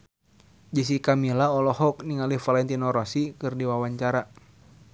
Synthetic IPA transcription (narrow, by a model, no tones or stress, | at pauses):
d͡ʒəs̬ikamilaɔlɔhɔk̚niŋalihfalɛnt̪inɔɾɔsikɨrdiwawaɲt͡ʃaɾa